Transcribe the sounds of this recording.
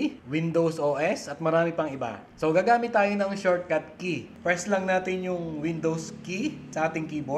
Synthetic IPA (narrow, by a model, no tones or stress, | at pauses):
wɪnd̪owsoːʔɛsɐt̪̚mɐɾaːmɪpɐŋɪba̰ | soɡaːɡaːmɪt̪ːaːjonɐŋʃoɹt̪̚kɐt̪̚kipɹɛslɐŋnaːt̪ɪnjʊŋwɪnd̪owskisɐʔaːt̪ɪŋkiːbo